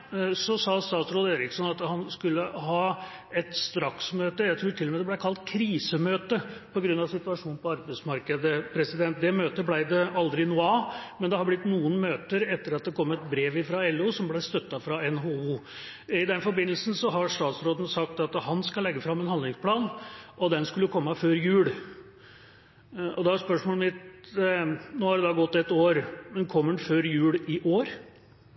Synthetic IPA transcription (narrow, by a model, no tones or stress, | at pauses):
sɔsɑːst̪ɑːt̪sɾoːd̪eːɾɪksɔnɑt̪hɑnskʉlːəɦɑː | ɛt̪st̪ɾɑksmøːt̪əjæɪt̪ʰɾuːʈʰɪlːɔmɛd̪ɛblæɪkʰɑlt̪kʰɾiːsəmøːt̪əpʰɔɡɾʉnːɑʋsɪt̪ʉɑʂuːn̩pʰɔɑɾbæɪsmɑɾkəd̪əpʰɾɛsɪd̪ɛnt̪̚d̪ɛmøːt̪əblæɪd̪ɛɑld̪ɾɪnʊɑːmɛnd̪ɛhɑɾblɪt̪ːnuːənmøːt̪əɾɛt̪ːəɾɑt̪̚d̪ɛkʰɔmːɛt̪̚bɾeːʋɪfɾɑɛlːʉːsɔmblæɪst̪œt̪ːɑfɾɑɛnɦouː | ɪd̪ɛnfɔɾbɪnːəl̩sn̩sɔɦɑɾʂt̪ɑːt̪sɾoːd̪ənəsɑkt̪ɑt̪hɑnskɑlɛɡːəfɾɑmːɛnhɑnɪŋspʰlɑːnʔɔd̪ɛnskʉlːəkʰɔmːəføːɾjʉːɽ | ɔd̪ɑspœʂmoːləmɪt̪ | noːhɑɖɛd̪ɑːɡɔt̪ːɛt̪oːɾmɛnkʰɔmːəɳføːɾjʉːlɪʔoːɾ